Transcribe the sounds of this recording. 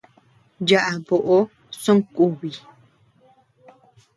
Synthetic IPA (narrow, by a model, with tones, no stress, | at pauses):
d͡ʒaʔa˨bo˨ʔo˦ | sõ˦ŋkʼu˦βi˨